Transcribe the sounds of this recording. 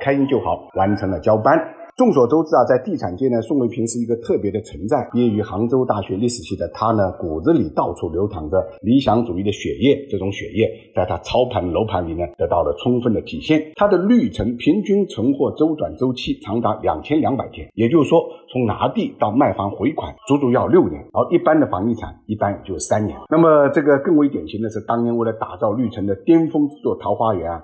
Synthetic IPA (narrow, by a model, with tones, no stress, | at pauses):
kʰa˥ɪi˥nt͡ɕjo˥˩ʊxɑ˨˩˦ʊwa˧˥nʈ͡ʂʰɤ˧˥ŋlə˨t͡ɕjɑ˥ʊpa˥n | ʈ͡ʂʊ˥˩ŋswɔ˨˩ʈ͡ʂo˥ʊt͡sɹ̩˥˩a˧t͡sa˥˧ɪt̪i˥˩ʈ͡ʂʰa˨˩nt͡ɕjɛ˥˩nə˨˩sŋwe˧˥ɪpʰi˧˥ŋʂɻ̩˥˩i˧˥ɡə˧t̪ʰɤ˥˩pjɛ˧˥d̪ə˧t͡sʰə˧˥nt͡sa˥˩ɪpjɛ˥ny˧˥xɑ˧˥ŋʈ͡ʂo˥ʊt̪a˥˩ɕɥɛ˧˥li˥˩ʂɻ̩˨˩t͡ɕʰi˥˩d̪ə˩t̪ʰa˥nə˨ku˨˩t͡sɹ̩˧˥li˨˩t̪ɑ˥˧ʊt͡sʰu˥˩ljo˧˥ʊt̪ʰɑ˧˥ŋd̪ə˧li˧˥ɕjɑ˧˥ŋʈ͡ʂu˨˩i˥˩d̪ə˩ɕɥɛ˨˩jɛ˥˩ʈ͡ʂɤ˥˩ʈ͡ʂʊ˧˥ŋɕɥɛ̰˨˩jɛ˥˧t͡sa˥˩ɪt̪ʰa˥t͡sʰɑ˥ʊpʰa˧˥nə˨lo˧˥ʊpʰa˧˥nli˨˩nə˦t̪ɤ˧˥t̪ɑ˥˩ʊlə˩t͡sʰʊ˥ŋfə˥˩nd̪ə˩t̪ʰi˨˩ɕjɛ˥˩nt̪ʰa˥d̪ə˨ly˥˩ʈ͡ʂʰɤ˧˥ŋpʰi˧˥ŋt͡ɕy˥nʈ͡ʂʰɤ˧˥ŋxwɔ˥˩ʈ͡ʂo˥ʊt͡swa˨˩nt͡so˥ʊt͡ɕʰi˥t͡sʰɑ˧˥ŋt̪a˧˥ljɑ̰˨˩ŋt͡ɕʰjɛ˥nljɑ˧˥ŋpa˨˩ɪt̪ʰjɛ˥njɛ˨˩t͡ɕjo˥˩ʊʂwɔ˥t͡sʰʊ˧˥ŋna̰˧˥t̪i˥˩t̪ɑ˥˧ʊma˥˩ɪfɑ˥ŋxwe˧˥ɪkʰwa̰˨˩˦nt͡su˧˥t͡su˧˥jɑ˥˧ʊljo˥˩ʊnjɛ̰˧˥n˥˧i˥˩pa˥nd̪ə˨fɑ˧˥ŋi˥˩ʈ͡ʂʰa̰˨˩˦ni˥˩pa˥njɛ˨˩t͡ɕjo˥˧ʊʂ̩˥˩sa˥nnjɛ̰˧˥lna˥˩mə˩ʈ͡ʂɤ˥˩ɡə˩kɤ˥˩ŋwe˧˥ɪt̪jɛ˨˩nɕʰi˧˥nd̪ə˧ʂɻ̩˥˩t̪ɑ˥ŋnjɛ˧˥nwe˥˩ɪlə˩t̪a̰˨˩t͡sɑ˥˧ʊly˥˩ʈ͡ʂʰɤ˧˥ŋd̪ə˨t̪jɛ˥nfɤ˥ŋʈ͡ʂɻ̩˥˧t͡swɔ˥˩t̪ʰɑ˧˥ʊxwa˥ɥɛ˧˥nɐ˧